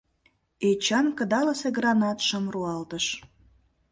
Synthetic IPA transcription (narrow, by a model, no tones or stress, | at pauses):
et͡ɕɑnkə̆d̪ɑləseɡrɑnɑt̪ʃəmruɑlt̪əʃ